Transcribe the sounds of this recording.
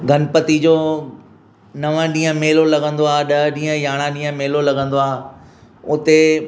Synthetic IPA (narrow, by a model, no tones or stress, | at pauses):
ɡʱɐnpət̪id͡ʑoː | nɐʋə̃ɗĩːə̃meːlolɐɠə̃nd̪oaːɗɐɗĩːɦə̃jaːɽ̃ãɗĩːə̃meːlolɐɡə̃nd̪oaː | ʊt̪e